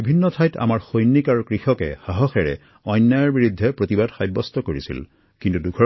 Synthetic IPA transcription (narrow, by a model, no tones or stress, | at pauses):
bibʱinːɔtʰajta̰maɹxojnːikaɹukɹixɔkɛ̰xaɦɔxɛɹɛ̰ | ɔjnːajɔɹbiɹud̪ʱːɛpɹotibadxajbːɔstɔkoɹisḭl | kintudukʰɔ